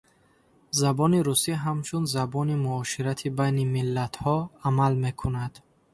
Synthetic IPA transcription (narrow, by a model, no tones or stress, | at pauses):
zabɔniɾusiɦamt͡ʃʰunzabɔnimuɔʃiɾat̪ʰibajnimilːat̪hɔamalme̞kʰunad̪̥